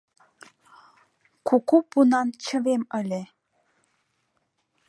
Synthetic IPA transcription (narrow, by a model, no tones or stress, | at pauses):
kukupunɑnt͡ɕə̆βeməlʲe